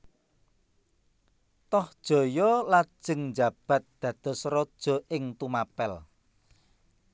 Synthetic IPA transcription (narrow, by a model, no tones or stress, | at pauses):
t̪ɔhd̥ʒ̥o̤jɔlḁʒ̥ə̤ŋnd͡ʒa̤b̥ä̤t̪̚d̪̥ä̤d̪̥ɔ̤srɔd̥ʒ̥ɔ̤ʔɪŋt̪umapɛl